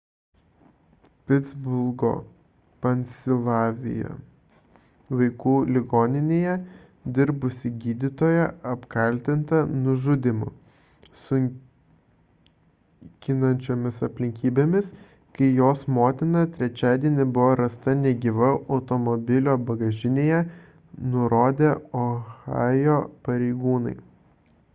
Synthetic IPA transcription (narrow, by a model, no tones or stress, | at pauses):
pʲɪd̪zbʊlˠɡo̰ː | pɐnʲsʲɪlˠɑːʋʲɪ̰jɛ̰ | ʋɐɪkuːlʲɪɡoːnʲɪnʲeːjɛ | d̪ʲɪɾbʊsʲɪɡʲiːd̪ʲɪt̪oːjɛʔɐpkɐlʲt̪ʲɪnt̪ɐnʊʒʊd̪ʲɪmʊ̰ | sʊŋʲ | kʲɪnɐnʲt͡ʃʲoːmʲɪsɐpʲlʲɪŋʲkʲiːbʲeːmʲɪs | kɐɪjoːsmoːt̪ʲɪnɐt̪ʲɾʲɛt͡ʃʲæːd̪ʲiɛnʲɪbʊʋoːɾɐst̪ɐnʲɛɡʲiʋɐʔɐʊt̪omɔbʲɪlʲoːbɐɡɐʒʲɪnʲeːjɛ | nʊɾoːd̪ʲeoɣɑːjoːpɐɾʲɛɪɡuːnɐɪ